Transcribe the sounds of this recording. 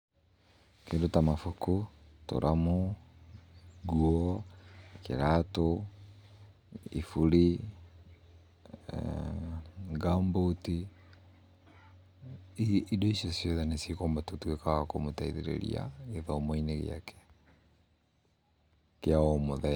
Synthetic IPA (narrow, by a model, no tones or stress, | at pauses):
kendotamafukuto̰ɾʔamu | ɡuɔ | kḛɾato | ḭfuɾi | ɡamboti | idɔisjɔsjɔðanesekoːmbatotwekaakomotaiðeɾḛɾḭa̰eðɔmɔineɣḛa̰kɛ̥ | keaɔmoðɛ